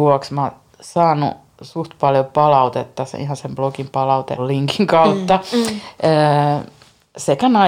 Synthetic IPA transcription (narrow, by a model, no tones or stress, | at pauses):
uɔksmɑ | sɑːnṵ | sust̪pɑljopɑlɑut̪et̪ːɑsḛḭhɑnsemb̥lokimpɑlɑut̪ḛlliŋkiŋkɑut̪ːɑ | əː | sekænɑ